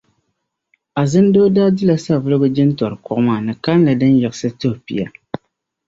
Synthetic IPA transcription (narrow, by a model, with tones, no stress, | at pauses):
a˨zɨ˦n˦do˦da˦dɨ˦la˨sa˦˨vɨ˦lɨ˦ɡʊ˦d͡ʒɪ˦n˦tɔ˨ɾɨ˨kɔ˦ʔmaː˦˨nɨ˨ka˦n˦la˨dɨ˦njɛ˨ɣɨ˦sɨ˦to˦hpḭ˨ja̰˨